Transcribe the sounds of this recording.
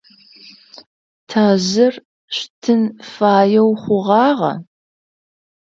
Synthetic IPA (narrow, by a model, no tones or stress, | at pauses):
tʰaːʑɐr | ɕtʰɨnfaːjɛwχʷʊʁɑːʁɐ̰